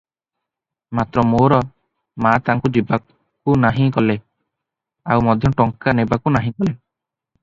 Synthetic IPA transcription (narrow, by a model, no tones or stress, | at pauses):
mat̪ɾɔmoɾɔ | mat̪aŋkud͡ʒiba | kunaɦĩkɔle | awmɔd̪ʱjɔʈɔŋkanebakunaɦĩkɔle